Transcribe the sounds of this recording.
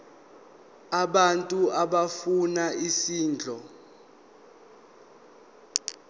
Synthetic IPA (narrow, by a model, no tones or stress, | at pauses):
aɓantʼuaɓafunaisiːnd͡ɮʱɔ